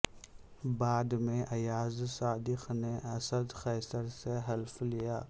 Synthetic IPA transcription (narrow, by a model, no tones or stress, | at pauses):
baːd̪mẽʔɐjaːzsaːd̪ixneɐsɐd̪xɛːsɐɾseɦɐlflijaː